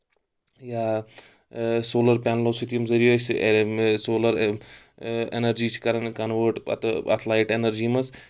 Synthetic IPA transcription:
jaː | soːlɐɾpʲanlosit̪ijɐmzɐɾijoːs | soːlɐɾ | enɐɾd͡ʒiːt͡ʃʰi̥kɐɾɐnkɐnʋəʈɐ̰t̪ɐt̪ʰlaːiʈenɐɾd͡ʒiːmɐs

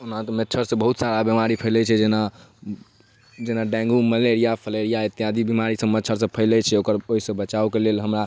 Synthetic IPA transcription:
unat̪ɔmetːt͡ʃʰəɾsə̃bəɦut̪saɾabimaɾipʰəɪlɛt͡ʃʰɛd͡ʒena | d͡ʒenaɖɛ̃ŋɡuməleɾijapʰəleɾijait̪ijad̪ibimaɾisə̃mətːt͡ʃʰəɾsə̃pʰəɪlɛt͡ʃʰɛokəɾoɦisə̃bət͡ʃaukelelɦəmɾa

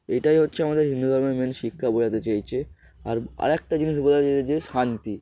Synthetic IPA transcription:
eʈajɦotːɕʰeamad̪eɾɦind̪ud̪ʱɔɾmeɾmenʃikʰːabod͡ʒat̪et͡ɕajt͡ɕʰe | a̰ɾa̰ɾɛk̚ʈad͡ʑiniʃ̬bod͡ʒaaed͡ʑeʃant̪i

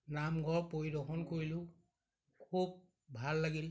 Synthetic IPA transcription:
namɡʱɔɹpojdɔxɔnkoɹilʊ | kʰub̚ | bʱalːaɡil

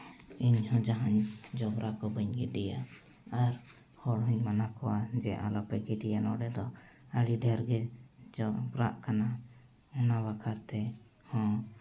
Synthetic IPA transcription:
iɲhɔ̃d͡ʒaɦaɲd͡ʒɔbɾʔakɔbəɲɡidɛja | aɾ | hɔɽɦuɲmanakɔwad͡ʒɛʔa̰lɔpɛkɛʈijanɔɖɛd̪ɔəɽiɖɛɾɡɛd͡ʒɔbɾa̰ʔkana | ɔnabakʰaɾt̪ɛ | hɔ̃

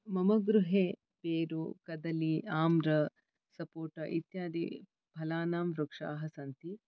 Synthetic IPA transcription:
mɐmɐɡɾuɦeː | peːɾṵkɐd̪ɐliaːmɾɐ | sɐpoːʈɐʔit̪jaːd̪ḭ | bʱɐlaːnaːmɾukʂa̰ːɦɐsɐnt̪i

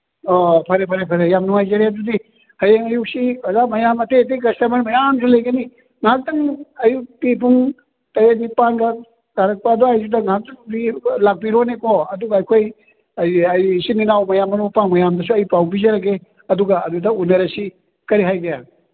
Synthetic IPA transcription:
opʰɐɾepʰɐɾepʰɐɾejamnuŋajzɐɾeɐdudi | hɐjeŋɐjuk̚siɐzamɐjamɐtet̬ek̬ɐstɐmɐɾmɐjams̬ʰulɐjɡɐni | ŋak̚tɐŋɐjuk̚tipuŋ | tɐjenipanɡɐ | ɡaɾɐk̚paːdoajsudɐŋɦak̚tɐŋdilak̚piɾonekoɐduɡɐːjkʰoj | ɐjɐjsininawmɐjamːɐnupaŋmɐjamdɐsuɐjipawbizɐɾɐɡe | ɐduɡɐɐdudɐunɐɾɐsi | kɐɾiɦajɡɐja

